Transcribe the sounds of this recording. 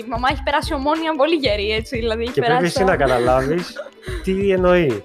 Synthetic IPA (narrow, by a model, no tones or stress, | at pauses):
mɐmɐeçi̥pe̞ɾɐsio̞mo̞niɐpo̞liʝeɾie̞t͡siðilɐðieçiceepɾeisinɐkɐt̪ɐlɐvis | t̪ieno̞i